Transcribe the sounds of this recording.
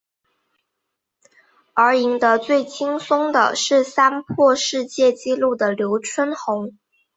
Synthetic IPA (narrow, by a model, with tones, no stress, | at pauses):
ə˞˧˥i˧˥ŋd̪ə˧t͡swe˥˩ɪt͡ɕʰi˥ŋsʊ˥ŋd̪ə̰˨ʂɻ̩˥˩sa˥npʰwɔ˥˧ʂɻ̩˥˧t͡ɕjɛ˥˩t͡ɕi˥lu˥˩d̪ə˩ljo˧˥ʊt͡ɕʰwə˥nxʊ˧˥ŋ